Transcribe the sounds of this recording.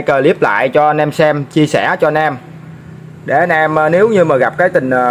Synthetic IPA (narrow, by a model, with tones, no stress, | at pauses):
jkəː˧˩li˦˥əp̚la̰ː˧˨jt͡ɕɔ˧nɛ˧msɛ˧mt͡ɕi˧əsɛ˧˩t͡ɕɔ˧nɛː˧m | ɗe˧˩nɛː˧m˨˧ne˨˦wɲɨ˧maː˨˩ɣa˨˩p̚kaː˨˦jt̪ï˨˩ŋ̟ː˨˩